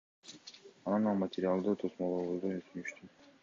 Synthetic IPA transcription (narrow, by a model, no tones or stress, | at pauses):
ɑnɑnɑlˠmɐtʲɪɾʲɪalˠd̪ɯt̪ʰosmolˠoβozd̪ojsynyʃt̪y